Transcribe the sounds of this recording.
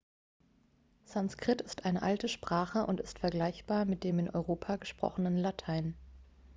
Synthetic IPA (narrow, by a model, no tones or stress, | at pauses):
z̥anskʁ̥ɪtɪstʔaɪnəʔaltəʃpʁ̥aːχəʔʊ̰ntɪstfɛɐɡlaɪçb̥aːɐmɪt̚d̥eːmɪnʔɔ̰ʏʁ̞oːpʰaɡəʃpʁ̥ɔ̰χənənlatʰaɪn